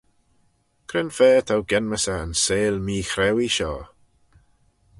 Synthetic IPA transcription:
kʰɾɪnfɛːtʰawɡɛnməsəə̰nseːlmiːxɾɛwiʃɔ̰ː

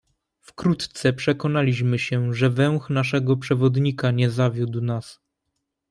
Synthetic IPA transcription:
fkɾut̪t̪sɛpʂɛkɔnalʲiɕmɘɕɛʐɛvɛw̃xnaʂɛɡɔpʂɛvɔd̪ɲikaɲɛzavʲjud̪wnas

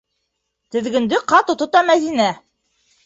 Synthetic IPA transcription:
t̪ɘ̆ðɡɵ̆nd̪ɘqɑt̪ŏt̪ŏt̪ɑmæðinæ

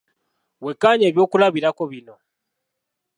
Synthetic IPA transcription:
wekːaɲe̞ːβjo̞ːkulaβiɾakoβino̞

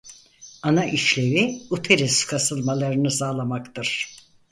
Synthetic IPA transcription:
anaʔiʃlʲe̞viut̪ʰeɾiskʰasɯlˠmalˠaɾɯnɯsaːlˠamakt̪ɯɾ̥

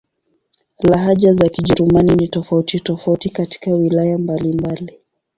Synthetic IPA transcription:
laɦaʄazakiʄɛɾumaninitɔfautitɔfautikati̥kawilajambalimbali

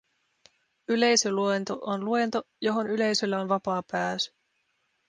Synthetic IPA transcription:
yle̞jsøluent̪oʔonluent̪o | jo̞ɦo̞nyle̞jsølːæo̞nʋɑpɑːpæːsy̥

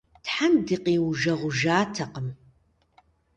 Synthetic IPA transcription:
tħandiːqʼiːwʒɐʁʷʊʒaːtʰɐqəm

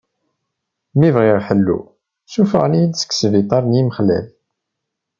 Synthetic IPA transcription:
mivʁɪʁħəlːṵ | sufə̰ʁnijd̪sə̥kːsvit̪ˤɑɾˤnjiməχlæ̰l

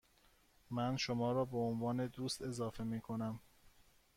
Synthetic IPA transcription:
mænʃomɒːɾɒːbeonvɒːne̞d̪uːst̪e̞zɒːfe̞miːkʰo̞næm

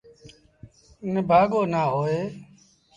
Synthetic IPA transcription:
nɪbʱaːɡoːnaːɦoːeː

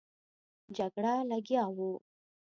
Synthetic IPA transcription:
d͡ʒaɡɽalaɡjawu

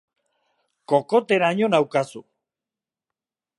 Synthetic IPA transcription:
ko̞ko̞t̪eɾaɲonawkasu

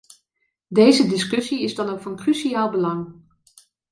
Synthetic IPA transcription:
dejzədɪskɵsiɪzdɑnokfɑnkrysiaːlˠbəlɑŋ

